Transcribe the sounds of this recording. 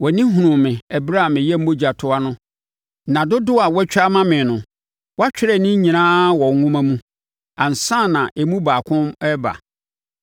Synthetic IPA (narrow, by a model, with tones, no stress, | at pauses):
wɔ˨nĩ˦ɦũ˨nʊ̃˨mɪ̃˨ɛ˨bɾa˦a˨mɪ̃˨jɛ˦m̩˦bo˦d͡ʑa˨tʰʊ˦a˦nʊ̃˦ | nã˨dʊ˦dʊ˦a˨wɛ˦t͡ɕᶣa˦mã˦mɪ̃˨nʊ̃˨ | wɔ˦a˦t͡ɕᶣɪ˦ɾɛ˦˨nɪ̃˦ɲĩ˨nãː˦wɔ˨ŋ˦ŋʊ̃˦mã˦mũ˦ | ã˨n̩˨sã˦˨nã˨ʔe˨mũ˦baː˨kʰʊ̃˦mɛ˦ba̰˨